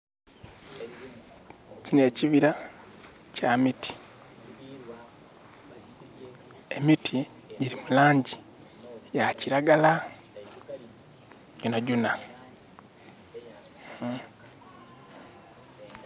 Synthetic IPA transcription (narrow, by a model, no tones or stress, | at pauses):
cine̞ːciβiɾa | camiti̥ | emitʰi | ɟiɾimulaːɲɟi | jaciɾaɡala | ɟunaɟuna